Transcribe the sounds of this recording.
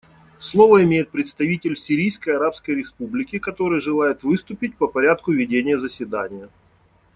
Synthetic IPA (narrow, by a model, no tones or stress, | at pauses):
slˠo̞vəɪmʲejɪt̪̚pɾʲɪt̪st̪ɐvʲitʲɪlʲsʲɪɾʲijskəjɐɾapskəjɾʲɪspublʲɪkʲɪkɐt̪o̞ɾɨjəʐɨlˠajɪt̪vɨst̪ʊpʲɪt̚ʲpəpɐɾʲat̪kʊvʲɪdʲenʲɪjəzəsʲvʲɪd̪anʲɪjə